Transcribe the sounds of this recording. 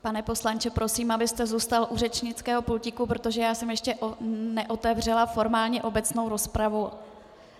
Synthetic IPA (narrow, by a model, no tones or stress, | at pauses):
panɛpo̞slant͡ʃɛpɾo̞siːmabɪst̪ɛzuːst̪alʔurɛt͡ʃɲɪt͡skɛːɦo̞plucɪkupɾo̞t̪o̞ʒɛjaːsɛmjɛʃcɛʔonɛʔo̞t̪ɛvr̝ɛlafo̞ɾmaːlɲɛʔo̞bɛt͡sno̞wɾo̞spɾavo